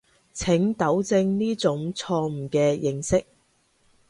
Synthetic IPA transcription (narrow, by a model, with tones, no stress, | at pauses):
t͡sʰɪ˨˥ŋt̪ɐ˨˥wt͡sɪ˧ŋniː˥t͡sʊ˨˥ŋt͡sʰɔː˧m̩˨˩kɛː˧jɪ˧ŋsɪ˥k̚